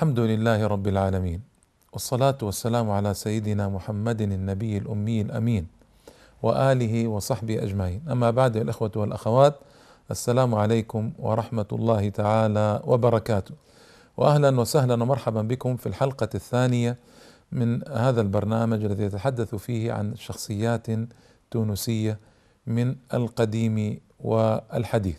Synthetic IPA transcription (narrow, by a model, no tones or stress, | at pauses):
ʔalħamd̪ʊlɪlːaːhɪɾˤɑbːɪlʕaːlamiːn | wɑsˤːɑlaːt̪wɑsːalaːmʕalasajːɪd̪ɪnamʊħamːad̪nɪnːabɪjːalʔʊmːɪjːɪlʔa̰miːn | wɪʔaːlɪɦiwɑsˤɑħbɪhiʔad͡ʒmaʕiːnʔamːabaʕd̪walʔɪxwat̪walʔaxawaːt̪ | ʔasːalaːmʕalajkʊmwɑ̰ɾˤɑħmat̪lˤːɑːhɪt̪aʕaːlawʔɪbɑɾˤɑkaːt̪ʊ | wʔɪ̰ʔahlanwasahlanwamɑɾˤħabanbɪkʊmfilħɑlqɑθːaːnɪja | mɪnhaːðalbɑɾˤnaːmad͡ʒʔalːaðijat̪aħad̪ːaθfiːhʕa̰nʃɑxsˤɨjːaːt̪ | t̪uːnʊsɪjːa | mɪna̰lqɑd̪iːmi | wɪa̰lħad̪ḭːθ